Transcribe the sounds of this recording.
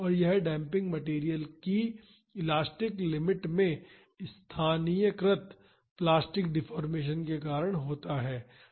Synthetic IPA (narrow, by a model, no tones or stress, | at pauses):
ɔːɾjɐɦɖɛ̃ːmpɪ̃ŋɡmɐʈeːɾijəlki | ɪlaːsʈɪklɪmɪʈmẽ | st̪ʰaːnijəkɾət̪ | plaːsʈɪk̚ɖɪfɔːɾmeːʃ̬ənkekaːɾəɽ̃ɦoːt̪aɦɛː